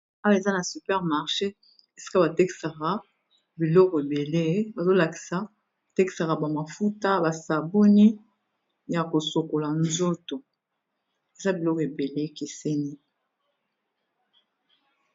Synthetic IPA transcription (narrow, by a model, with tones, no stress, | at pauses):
a˦wa˦e˨za˦na˨sy˨pɛ˦ʁma˨ʁʃe˦ | e˨si̥˦ka˦ba˨te˦ki̥˨sa˨ka˨˦ | bi˨lɔ˦kɔ˨e˨be˨le˦ba˨zo˦la˨ki̥˨sa˨˦˨ | te˦ki˨sa˨ka˨ba˨ma˨fu˦ta˦ba˨sa˨bo˦ni˦ | ja˨ko˨so˨ko˨la˨nzo˦to˨ | e˨za˦bi˨lɔ˦kɔ˨e˨be˨le˦ke˨se˦ni˦